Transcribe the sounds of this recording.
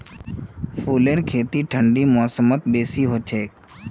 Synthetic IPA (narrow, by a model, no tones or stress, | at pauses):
pʰuːleːɾkʰeːt̪iːʈʰəɳɖiːmɔːsəmət̪̚beːsiːɦoːt͡ʃʰeː